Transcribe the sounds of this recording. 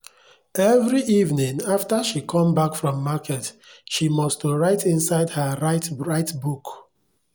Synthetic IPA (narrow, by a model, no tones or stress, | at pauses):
ɛvɹiʔivnĩŋaftəʃikʰɔ̃mbakfɹɔ̃mːakʰɛtʃimɔstɹaɪtʰĩnsaɪdhəɹaɪtɹaɪtbuk